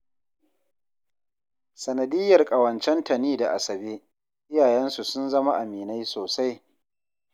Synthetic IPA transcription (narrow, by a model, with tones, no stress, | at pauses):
sɐ˨nɐ˨dɪ˦jːɐ˨rkʼɐ˨wɐ˨nt͡ʃɛ˦ntɐ˨niː˦da˨ʔa˨sɐ˨beː˦ | ʔɪ˦jaː˨jɛ˦nsu˨sʊ˦nzɐ˦ma˦ʔa˨miː˨na˦jsoː˨sa˦j